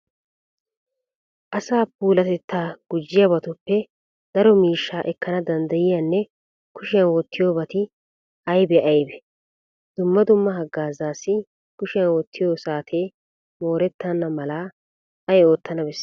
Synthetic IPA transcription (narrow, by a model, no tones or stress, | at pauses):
ʔɐsaːpuːlɐt̪ɛt̪ːaːɡ̥ʊd͡ʒːɪjɐbɐt̪ʊpːɛ | d̪̥ɐɾɔmiːʃːaːʔɛkːɐnɐd̪ɐnd̪ɐjɪjɐnːɛ | kʊʃɪjɐnwɔt̪ːɪjo̞ːbɐt̪ɪ | ɐjbɛʔɐjbɛ | d̪̥ʊmːɐd̪ʊmːɐɦɐɡːaːzaːsːɪ | kʊʃɪjɐnwɔt̪ʰːɪjoːsaːt̪ʰeː | mo̞ːɾɛt̪ːɐnːɐmɐlaː | ɐjo̞ːt̪ːɐnɐbɛsː